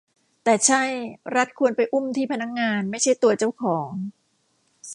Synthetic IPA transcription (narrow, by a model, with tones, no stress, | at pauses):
t̪ɛː˨˩t͡ɕʰa˥˩jɾa˦˥t̪̚kʰu˧ənpa˧jʔu˥˩mt̪ʰiː˥˩pʰa˧na˦˥k̚ŋaː˧nma˥˩jt͡ɕʰa˥˩jt̪u˧ɐt͡ɕa˥˩wkʰɔː˩˦ŋ